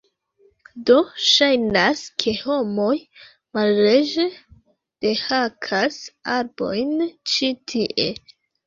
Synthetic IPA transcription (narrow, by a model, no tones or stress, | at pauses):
do̞ʃajnaskʰe̞ho̞mo̞j | malɾed͡ʒe | d̥e̞hakʰasaɾbo̞jnt͡ʃitʰiʔe̞